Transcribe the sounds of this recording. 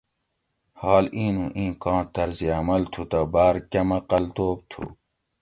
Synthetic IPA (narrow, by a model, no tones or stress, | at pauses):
haːlĩːnũʔĩːkãːt̪ɐɾziamɐlt̪ʰut̪abaːɾkɐmɐqɐlt̪oːb̚t̪ʰṵː